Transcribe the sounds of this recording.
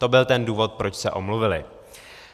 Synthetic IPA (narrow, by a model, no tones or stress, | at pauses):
t̪o̞bɪlt̪ɛnduːvo̞t̪̚pɾot͡ʃsɛʔo̞mluvɪlɪ